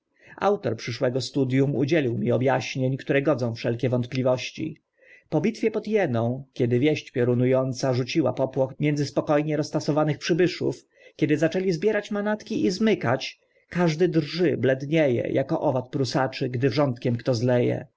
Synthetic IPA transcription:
a̰wt̪ɔɾpʂɘʂwɛɡɔst̪ud̪jumṵd͡ʑɛlʲiwmʲiɔbjaɕɲeɲkt̪uɾɛɡɔd̪zɔ̃w̃fʂɛlkʲɛvɔnt̪̚plʲivɔɕt͡ɕḭ | pɔbʲit̪fʲjɛpɔd̪jɛnɔ̃w̃kʲɛd̪ɘvʲjɛɕt͡ɕpʲjɔɾunujɔnt̪saʐut͡ɕiwa̰pɔpwɔxmʲjɛnd̪zɘspɔkɔjɲɛɾɔst̪asɔvanɘxpʂɘbɘʂṵf | kʲɛd̪ɘzat͡ʂɛlʲizbʲjɛɾat͡ɕmanat̪kʲiʔizmɘkat͡ɕ | kaʐd̪ɘd̪rʐɘblɛd̪ɲejɛ̰jʔakɔʔɔvat̪̚pɾusat͡ʂɘɡd̪ɘʐɔnt̪kʲɛmkt̪ɔzlɛjɛ̰

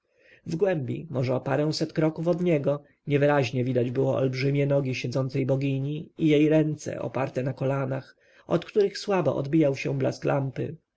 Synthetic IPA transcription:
vɡwɛmbʲḭmɔʐɛɔpaɾɛw̃sɛt̪kɾɔkufɔd̪ɲɛɡɔ | ɲɛvɘɾaʑɲɛvʲid̪ad͡ʑbɘwɔɔ̰lbʐɘmʲjɛnɔɡʲiɕɛd̪zɔnt̪sɛjbɔɡʲiɲiːjejɾɛnt̪sɛ̰ʔɔ̰paɾt̪ɛnakɔlanax | ɔt̪kt̪uɾɘxswabɔ̰ʔɔ̰d̪bʲijawɕɛbla̰sklampɘ̰

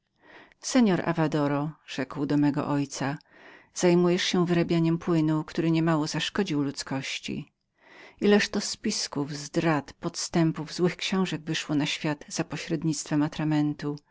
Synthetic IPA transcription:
sɛɲɔɾa̰vad̪ɔɾɔʐ̥ɛkwd̪ɔmɛɡɔ̰ʔɔjt̪sa | z̥ajmujɛʂɕɛ̃vɘɾabʲjaɲɛmpwɘnukt̪uɾɘɲɛmawɔzaʂkɔd͡ʑiwlut̪skɔɕt͡ɕḭ | ilɛʂt̪ɔspʲiskuvzd̪ɾat̪pɔt̪st̪ɛmpuvzwɘxkɕɔ̃w̃ʐɛɡvɘʂwɔnaɕfʲjad̪̥z̥apɔɕɾɛd̪ɲit̪st̪fɛmat̪ɾamɛnt̪u

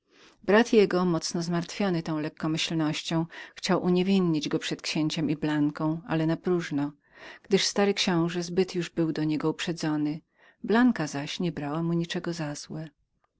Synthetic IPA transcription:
bɾat̪jɛɡɔmɔt̪snɔzmaɾt̪fʲjɔnɘt̪ɔ̃w̃lɛkːɔmɘɕlnɔɕt͡ɕɔ̃w̃xt͡ɕawʔuɲevʲinɲid͡ʑɡɔpʂɛt̪kɕeɲt͡ɕɛmiblaŋkɔ̃w̃ʔa̰lɛnapɾuʐnɔ | ɡ̥d̪ɘʂst̪aɾɘkɕɔ̃w̃ʐɛzbɘt̪juʐbɘwd̪ɔɲɛɡɔupʂɛd̪zɔnɘ | blaŋkazaɕɲɛbɾawamuɲit͡ʂɛɡɔzaz̥wɛ

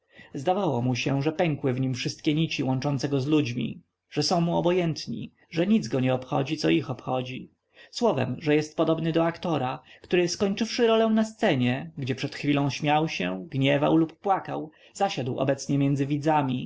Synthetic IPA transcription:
zd̪avawɔmuɕɛʐɛpɛŋkwɘvɲimfʂɘst̪̚kʲɛɲit͡ɕiwɔ̃nt͡ʂɔnt̪sɛɡɔzlud͡ʑmʲḭ | ʐɛsɔ̃w̃muɔbɔjɛnt̪ɲḭ | ʐɛɲid̪zɡɔɲɛɔpxɔ̰d͡ʑit̪ɔixɔpxɔd͡ʑi | swɔvɛ̰mʐɛjɛst̪̚pɔd̪ɔbnɘd̪ɔakt̪ɔɾakt̪uɾɘskɔɲt͡ʂɘfʂɘɾɔlɛw̃nast̪sɛɲɛɡd͡ʑɛpʂɛt̪xfʲilɔ̃w̃ɕmʲjawɕɛ̰ɡɲɛvawlupːwakaw | zaɕad̪wɔ̰bɛt̪sɲɛmʲjɛndzɘvʲid̪zamʲi

